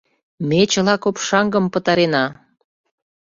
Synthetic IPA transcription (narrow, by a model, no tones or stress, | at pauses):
met͡ɕə̆lɑkopʃɑŋɡə̆mpə̆t̪ɑɾenɑ